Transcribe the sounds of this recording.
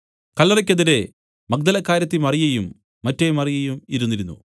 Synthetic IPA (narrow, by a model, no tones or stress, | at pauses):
kɐlːɐrɐk̬ʲːɐðiɾe̞ | mɐk̚d̪ɐlɐkːaːɾjɐt̪̬ːimɐrijɐjumː | ɐtːejmɐrijɐjumiɾunːiɾunːṵ